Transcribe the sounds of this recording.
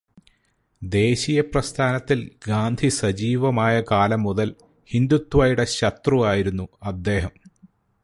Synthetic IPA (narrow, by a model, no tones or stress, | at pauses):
d̪e̞ːɕijɐprɐst̪ʰaːnɐt̪ːilɡaːnd̪ʱisɐd͡ʑiːʋɐmaːjɐkaːlɐmːuðɐl | hind̪ut̪ːwʋaːjiɽɐɕɐt̪ruaːjiɾunːuɐd̪ːe̞ːɦɐm